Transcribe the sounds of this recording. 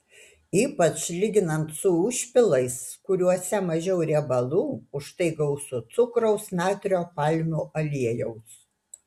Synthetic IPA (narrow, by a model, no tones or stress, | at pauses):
iːpɐt͡ʃlʲɪɡʲɪnɐnt̪sʊʊʃʲpʲɪlˠɐɪskʊɾʲuɔsʲɛmɐʒʲɛʊɾʲɛbɐlˠuːʊʃt̪ɐɪɡɐʊsʊt̪sʊkɾɐʊsnʲɑːt̪ʲɾʲoːpɑlʲmʲuːʔɐlʲiɛjɛʊs